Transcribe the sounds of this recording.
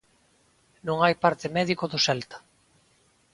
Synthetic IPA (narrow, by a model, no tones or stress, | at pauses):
nõŋajpaɾt̪ɪmɛðikoðʊsɛlt̪ḁ